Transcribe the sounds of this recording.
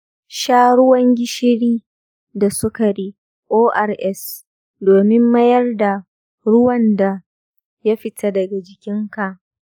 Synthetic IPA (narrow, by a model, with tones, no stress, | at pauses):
ʃaː˦ɽʊ˦wɐ˦ŋɡʲɪ˦ʃɪ˦ɽiː˦ | da˨sʊ˦ka˨ɽiː˦ | ʔoː˦ʔa˨rʔɛ˦s | doː˨mɪ˦mːɐ˦jɐ˦rda˨ | ɽʊ˦wɐ˨nda˨ | ja˦ɸɪ˨tʰa˦dɐ˨ɡa˨d͡ʒɪ˨kʲɪ˦ŋka˨ʔ